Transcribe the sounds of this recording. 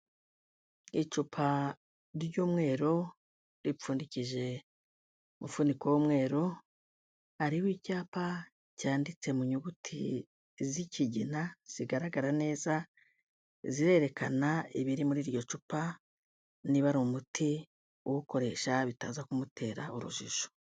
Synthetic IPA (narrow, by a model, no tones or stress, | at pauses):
it͡ʃupʰa | ɾɾjuːmŋe̞ːɾo̞ | ɾip͡fuːndiciʒe̞ | mufunikowomŋe̞ːɾo̞ | haɾiwicaːpa | caːndit͡se̞muɲuɡutʰi | ziciɟinaz̥iɡaɾaɡaɾane̞ːza | ziɾe̞ɾe̞kʰanaiβiɾimuɾiːɾjo̞t͡ʃupa | niβaɾomutʰi | uwuko̞ɾe̞ʃaβitaːzakumutʰe̞ːɾauɾṵʒiʒo̥